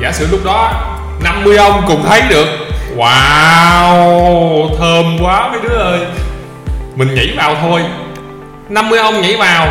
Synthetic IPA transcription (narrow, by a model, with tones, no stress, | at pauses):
a̰ː˧˩sɨ̰˧˨lʊ˦˥k͡p̚ɗɔ˨˦˧ | na˧mːɨ˧əjʔə˧wŋ͡mkʊ̰˧˥ŋ͡mt̪ʰə˨˦jɗɨ˨˩ək̚waː˨˧˩w | t̪ʰəː˧˩mkwaː˨˦vəː˨˦jɗɨ˨˦əʔəː˧j | mï˨˩ŋ̟ŋḭ˧˥vaː˨˩wt̪ʰo˧j | na˧mːɨ˧əjʔə˧wŋ͡mŋḭ˧˥vaː˨˩w